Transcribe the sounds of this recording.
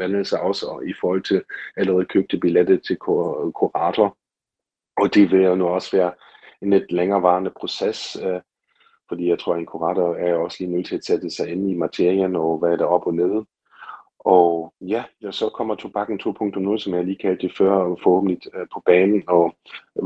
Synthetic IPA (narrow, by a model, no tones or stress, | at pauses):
ʋæn̩ˠsɑ̈ɪɒ̽səifɒːhɒ̽l̰t͡sʰe̝læləʁɛð̩ˠkʰøb̥̚d̥əb̥iled̥ət͡sʰe̝lkʰkʰuʁɑ̈ːd̥ʰɐ | ɒd̥e̝ʋe̝ljonuɒ̽sʋæːɐ | enle̝d̥leŋɐːʋɑ̈ːnəpʰʁo̝ses | fɒ̽d̥ḭːjäɪt͡sʰʁo̝ɐ̰e̝nkʰuʁɑ̈ːdʰɐæɐjoɒ̽sliːnøðˠt͡sʰe̝æsed̥əsɑ̈ɪenimɑt͡sʰe̝ɐ̰iɐnɒ̽ʋæd̥æɐɒ̽b̥ɒ̽neð̞ˠə | ʔɒ̽jæsɒ̽kʰɒ̽m̰ɐt͡sʰob̥ɑ̈ɡ̥n̩t͡sʰo̝̰ːpʰɔ̽ŋ̰d̥ʰɔ̽mnoːðˠsɒmjɑahliːkʰæld̥ːefɶɐ̰fɒho̰ːb̥n̩d̥lid̥pʰɒ̽b̥ɛːnn̩ɒ̽